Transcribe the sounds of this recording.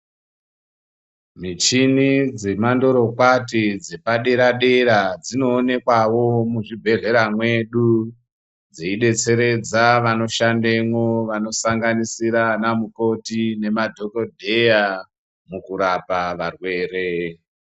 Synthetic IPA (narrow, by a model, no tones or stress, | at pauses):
mit͡ʃinid͡ze̞mando̞ɾo̞kwatid͡zepaɗeɾaɗeɾad͡zino̞ːne̞kwawo̞muʐibʱe̞ɮe̞ɾamwe̞ɗu | d͡zeiɗe̞t͡se̞ɾe̞d͡zaʋano̞ʃandeŋwoʋano̞saŋɡanisiɾanamuko̞tine̞madʱo̞ko̞dʱe̞ja | mukuɾapaʋarwe̞ːre